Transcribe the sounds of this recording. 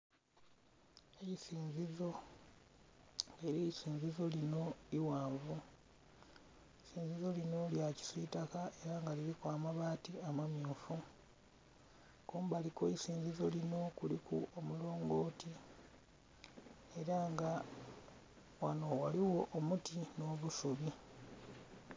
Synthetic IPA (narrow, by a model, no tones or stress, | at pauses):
eisiːnzizo̞ | ŋeɾeisiːnzizo̞lino̞iwaːɱvu | siːnzizo̞lino̞ljaci̥sitakae̞ɾaŋɡalilikwaːmaβaːtiamamjoːfu | kuːmbalikoisiːnzizo̞lino̞kulikuomulo̞ːŋɡo̞ːti | e̞ɾaŋɡa | wano̞waliwo̞ʔomutino̞ːβusuβi